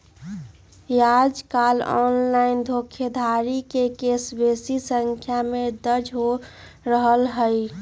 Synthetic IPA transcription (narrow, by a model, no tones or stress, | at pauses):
jad͡ʒkaːlɔ̰nlaɪnd̪ʱokʰed̪ʱaɾikekesbesisəŋkʰjamed̪əɾd͡ʒʱɦo | ɾəɦəlɦəj